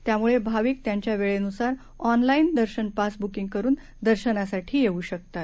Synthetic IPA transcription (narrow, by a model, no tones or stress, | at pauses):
t̪jamuɭebʱaʋiːk̚t̪jaɲt͡ɕjaʋeɭenusaɾ | ɔnlaind̪əɾɕənpasbukiŋɡ̚kəɾuːn | d̪əɾɕənasaʈʰiːjeuːɕək̚t̪at̪